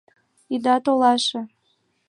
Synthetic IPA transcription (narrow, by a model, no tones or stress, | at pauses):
id̪ɑt̪olɑʃɤ̆